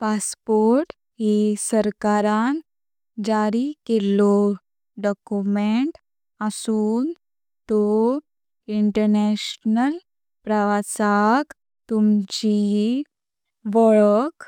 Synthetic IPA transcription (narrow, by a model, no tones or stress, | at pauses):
paspoɾʈ | ɦisəɾkaɾan | d͡ʑaɾikelɔ | ɖɔkumeɳʈ | əsuːn | t̪ɔ | iɳʈəɾneɕnəl | pɾəʋasak | t̪umt͡ɕi | ʋɔɭək